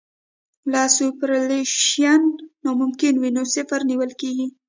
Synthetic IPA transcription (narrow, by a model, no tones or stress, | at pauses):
lɑsupɾaleʃjanːamʊmkɪnwinosɪfaɾniwəlkeɡi